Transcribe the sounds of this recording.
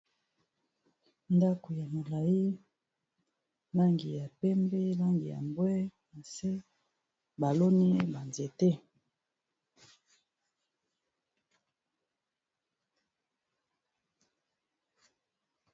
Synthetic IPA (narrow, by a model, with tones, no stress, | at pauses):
nda˦ko˨ja˨mo˨la˨ji˦ | la˦ŋɡi˨ja˨pɛ˦mbi˦la˦ŋɡi˨ja̰˨mbwɛ˦na˨se˦ | ba˨lo˦ni˦ba˨nze˨te˦